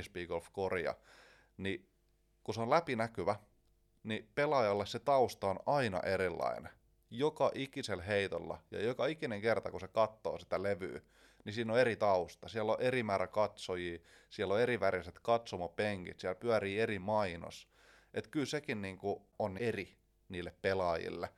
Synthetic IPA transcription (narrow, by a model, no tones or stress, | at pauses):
spiːɡ̥olfkorjɑ̰ | ni | kuseonlæpinækyʋæ | nipelɑjɑlːesset̪ɑust̪ɑonɑinɑ̰ʔeɾilːɑ̰ine | jokɑʔikiselɦeit̪olːɑ̰jɑ̰jokɑikineŋkert̪ɑkusekɑt̪ːo̰ːsi̥t̪æleʋy̰ː | nisiːnːoeɾit̪ɑust̪ɑsiælːoʔeɾimæːɾækɑt̪sojiː | siælːoeɾiʋæriset̪kɑt̪somɑpeŋkḭt̪siælpyæɾiːerimɑino̰s | ʔet̪kylsekinniːŋku | onːeri | niːlːeppelɑːjḭlːḛ